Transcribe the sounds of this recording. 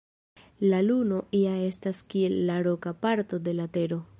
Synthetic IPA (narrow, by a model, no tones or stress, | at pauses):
laluno̞ʔiae̞staskie̞lːaɾo̞kapaɾto̞de̞late̞ɾo̞